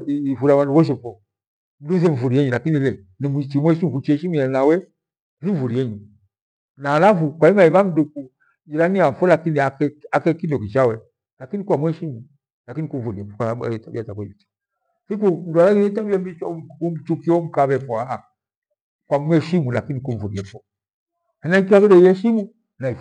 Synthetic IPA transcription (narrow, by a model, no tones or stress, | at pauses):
ivuɾawanduβɔʃ̬ɛfɔ | m̩duzɛɱ̩vuɾiɛɲulakinilɛ | nimit͡ʃimwɛʃimukut͡ʃɛʃimianawɛ | ziɱvuɾiɛɲu | naːlafukwaimaiβam̩duku | d͡ʒiɾaniafɔlakiniakɛakɛkindɔkit͡ʃawɛ | lakinikwamwɛʃimu | lakinikuɱ̩vuɾiɛfɔka̰tabiatakwɛiitḁ | sik̬udwalaɡiɾɛtambiɛmbit͡ʃɔum̩t͡ʃukiɔm̩kaβɛfɔaa | kwamwɛʃimulakinikuɱvuɾiɛfɔ | hɛnaiŋk̬iwakidɛiɛʃimu | naif